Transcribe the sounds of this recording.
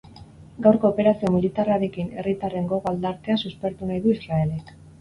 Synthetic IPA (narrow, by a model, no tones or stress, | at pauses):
ɡawɾko̞ːpe̞ɾasio̞milit̪araɾe̞kine̞rit̪are̞ŋɡo̞ɣald̪aɾt̪e̞asuspe̞ɾt̪unajðuisɾae̞le̞k